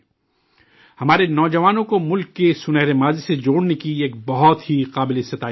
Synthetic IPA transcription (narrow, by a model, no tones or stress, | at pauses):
hɐmaːɾenɔːd͡ʒɐʋaːnõkomʊlkːesʊnɛɦɾemaːzised͡ʒoːɽnekieːk̚bɐɦɔt̪ɦiqaːbɪleɪst̪ɪt̪aː